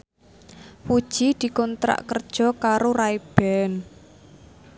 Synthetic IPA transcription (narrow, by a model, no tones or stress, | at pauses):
wud̥ʒ̥id̪̥i̤kɔnt̪ɾa̰ʔkərd̥ʒ̥ɔ̤kaɾoraib̥ɛn